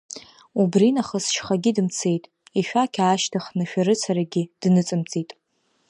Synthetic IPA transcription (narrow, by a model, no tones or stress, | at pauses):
ubrinaχəsʃχaɡʲidɨmt͡sʰe̞jtʼ | iʃᶣakʲʰaːʃtʰaχnɨʃᶣaɾɨt͡sʰaɾaɡʲid̥nɨt͡sʼɨmt͡sʼitʼ